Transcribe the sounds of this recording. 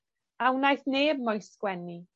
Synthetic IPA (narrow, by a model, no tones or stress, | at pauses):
awnajθneːb̚mɔjskwɛni